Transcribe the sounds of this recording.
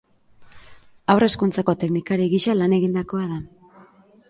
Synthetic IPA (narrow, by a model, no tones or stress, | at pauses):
awre̞skunt͡sako̞t̪e̞knikaɾiɣiʃalane̞ɣind̪ako̞aða